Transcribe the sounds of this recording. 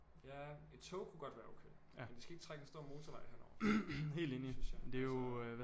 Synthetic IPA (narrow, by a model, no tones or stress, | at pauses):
jæe̝d̥t͡sʰɔʊkʰuɡ̥ɒ̽d̥ʋæːɐoʊkʰeɪ̰ | end̥esɡ̥æe̝ɡ̥t͡sʰʁaɡ̥əsd̥o̝ɐ̰mo̝ːt͡sʰɒʋɑ̈ɪhenɒ̰ːɦe̝̰ːlde̝ːnid̥e̝joʋæ